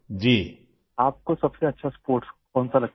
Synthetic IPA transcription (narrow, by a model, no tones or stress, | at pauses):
d͡ʒiː | aːp̚kosɐbseɐtːʃʰaspoːɾʈskɔ̃ːnsalɐ